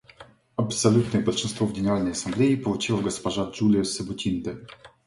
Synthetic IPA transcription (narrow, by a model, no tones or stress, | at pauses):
ɐpsɐlʲut̪nɨjəbəlʲʂɨnst̪vovɡʲɪnʲɪɾalʲnəjɐsɐmblʲeipəlˠʊt͡ɕilˠəɡəspɐʐad͡ʒulʲɪjəsəbʊtʲind̪ə